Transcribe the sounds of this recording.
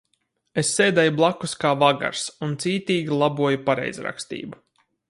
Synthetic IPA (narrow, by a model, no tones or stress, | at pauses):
esːeːd̪ɛjublˠakːuskaːvaɡa̰ɾsunt̪siːt̪iːɡʲilˠabuɔjupaɾɛ̰jzɾa̰kst̪ḭːbu